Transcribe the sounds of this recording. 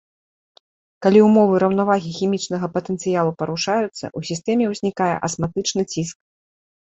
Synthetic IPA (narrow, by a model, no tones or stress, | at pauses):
kalʲiumɔvɨɾɐwnavaɣʲixʲimʲit͡ʂn̪ɐɣɐpɐt̪ɛnt̪sɨjalˠupɐɾuʂajut̪sːɐ̰ʔusʲist̪ɛmʲɛwzʲnʲikajɛ̰ʔɐsmat̪ɨt͡ʂnɨt͡sʲisk̚